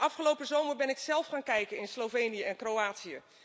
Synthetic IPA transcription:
ɑfχəlowpəzowməɹbɛnɪksɛlˠfχaːnkɛjkənɪnslowvejnijəɛnkrowaːtsijə

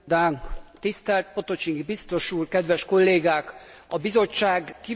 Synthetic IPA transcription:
d̪aːŋkt̪ist̪ɛlt̪̚po̞t̪o̞t͡ʃiŋɡbist̪o̞ʃuːrkɛd̪ʋɛʃko̞lːeːɡaːk | ɒbizo̞t͡ʃːaːɡki

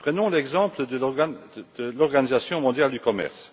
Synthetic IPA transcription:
pχənɔ̃lɛɡzɑ̃pləd̪ə | d̪̥əlɔʁɡanizasjɔ̃mɔ̃d̪jald̪ykɔmɛ̰ʁs

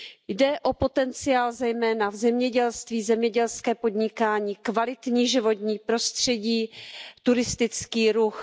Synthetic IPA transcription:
jdɛʔo̞po̞t̪ɛnt͡sɪaːlzɛjmɛːnavzɛmɲɛɟɛlst̪viːzɛmɲɛɟɛlskɛːpo̞d̪ɲɪkaːɲiːkvalɪt̪ɲiːʒɪvo̞t̪ɲiːpɾo̞st̪r̝̥ɛɟiːt̪uɾɪst̪ɪt͡skiːɾux

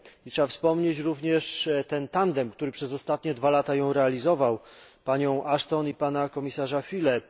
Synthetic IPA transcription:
itʂɛbafspɔmɲet͡ɕɾuvɲɛʂt̪ɛnt̪and̪ɛmkt̪uɾɘpʂɛzɔst̪at̪ɲɛd̪valat̪ajɔ̃w̃ɾɛalʲizɔvawpaɲɔ̃w̃ʔaʂt̪ɔnipanakɔmʲisaʐafʲilɛ

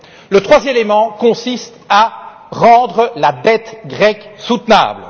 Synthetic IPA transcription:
lət̪χwazjɛmemɑ̃kɔ̃sist̪a | ʁɑ̃d̪ʁəlad̪ɛt̪ɡʁɛksut̪na̰ːbl

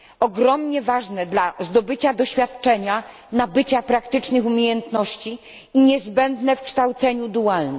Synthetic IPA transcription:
ɔɡɾɔmɲɛvaʐnɛd̪lazd̪ɔbɘt͡ɕad̪ɔɕfʲjat̪t͡ʂɛɲa | nabɘt͡ɕapɾakt̪ɘt͡ʂnɘxumʲjejɛnt̪nɔɕt͡ɕi | iɲɛzbɛnd̪nɛfkʂt̪awt̪sɛɲud̪ualnɛ

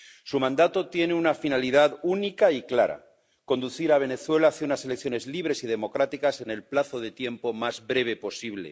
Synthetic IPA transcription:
sumãnd̪at̪o̞t̪je̞neunafinaliðaðunikaiklaɾa̰ | ko̞nd̪uθiɾaβ̞e̞ne̞θwe̞laθeunasele̞kθjo̞ne̞zliβ̞ɾe̞siðe̞mo̞kɾat̪ikase̞ne̞lplaθo̞ðe̞t̪je̞mpo̞mazβbɾe̞β̞e̞po̞siβlḛ

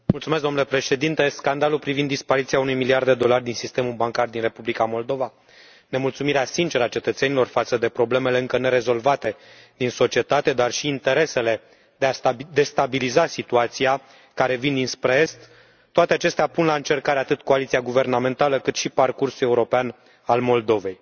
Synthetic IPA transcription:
mult̪sumes̬d̪onulepɾe̞ʃe̞d̪int̪e̞skand̪alulpɾivind̪ːispaɾit̪sijaunujmiliard̪d̪e̞d̪o̞lard̪insist̪e̞mulbaŋkard̪inre̞publikamo̞ld̪o̞va | ne̞mult̪sumiɾeasint͡ʃe̞ɾəat͡ʃe̞t̪ət̪se̞nilo̞rfat̪səd̪e̞pɾo̞ble̞me̞le̞ɨŋkəne̞ɾe̞zo̞lvat̪e̞ | d̪inso̞t͡ʃie̞t̪at̪e̞d̪arʃiːnt̪e̞ɾe̞se̞le̞ | d̪e̞ad̪e̞st̪abilizasit̪uat̪sia | kaɾe̞vind̪inspɾeest̪ | t̪ːoat̪e̞at͡ʃe̞st̪eapunlaɨnt͡ʃe̞rkaɾeat̪ɨt̪ko̞alit̪siaɡuve̞rname̞nt̪aləkɨt̪ʃiparkursule̞uɾo̞pean | almo̞ld̪o̞ve̞j

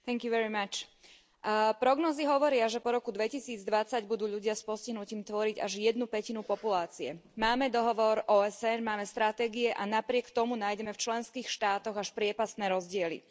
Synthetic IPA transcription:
t̪ɛŋkjuʋɛɾimat͡ʃ | pɾɔɡnɔːziɦɔʋɔɾɪaʒɛpɔɾɔkud̪ʋɛcisiːd͡zd̪ʋat͡saɟbud̪uːʎuɟɪaspɔsciɦnuciːmt̪ʋɔɾiɟaʒjɛd̪nupɛcinupɔpulaːt͡siɛ̰maːmɛd̪ɔɦɔʋɔɾʔɔːɛsɛnmaːmɛst̪ɾat̪ɛːɡiɛʔanapɾɪɛkt̪ɔmunaːjɟɛmɛft͡ʃlɛnskiːxʃt̪aːt̪ɔɣaʃpɾɪɛpast̪nɛːɾɔzɟɪɛlḭ

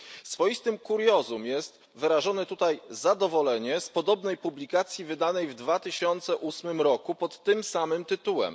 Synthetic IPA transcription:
sfɔjist̪ɘmkuɾjɔzumjɛst̪ | vɘɾaʐɔnɛt̪ut̪ajzad̪ɔvɔlɛɲɛspɔd̪ɔbnɛjpublʲikat̪sʲjivɘd̪anɛjvd̪vat̪ɘɕɔnt̪sɛʔusmɘmɾɔkupɔt̪ːɘmsamɘmt̪ɘt̪uwɛ̰m

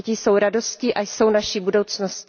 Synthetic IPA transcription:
cɪso̞wɾado̞scɪʔajso̞wnaʃibudo̞wt͡snosc

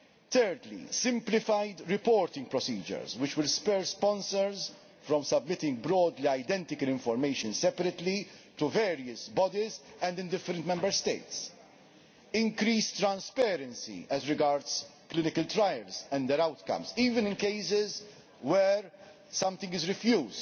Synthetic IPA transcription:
t̪ɛːɾd̪lḭsɪ̃mplɪfajd̪ɾɪpɔːɾt̪ɪ̃ŋɡ̚pɾɔsiːd͡ʒə̰ɾzwɪt͡ʃwɪlspɛːɾspɔ̃nsəɾz | fɾɔ̃msɐbmɪt̪ɪ̃ŋɡ̚bɾɔːd̪liɐjd̪ɛ̃nt̪ɪkəlɪ̃ɱfɔɾmeɪʃə̃nsɛpəɾɛt̪lit̪uvɛːɾiəsbɔd̪izɛ̃nd̪ɪ̃nd̪ɪfːəɾɛ̃nt̪mɛ̃mbəɾst̪ḛɪt̪s | ɪ̃ŋkɾiːst̪ɾɐ̃nspɛːɾɛ̃nsḭɛzɾɪɡaɾd̪sklɪnɪkəlt̪ɾajɛlzɛ̃nd̪d̪ɛɾɐwt̪kɐ̰̃msiːvɪ̃nɪ̃nkeɪsɪz | wɛɾ | sɐ̃mt̪ɪ̃ŋɡɪzɾɪfjuːzd

